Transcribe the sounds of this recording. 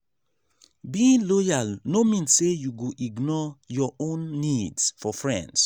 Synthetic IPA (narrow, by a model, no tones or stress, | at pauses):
bĩŋlɔjalnomĩnsejuɡoʔiɡnɔjɔʔõnːidsfɔfɹɛ̰̃nds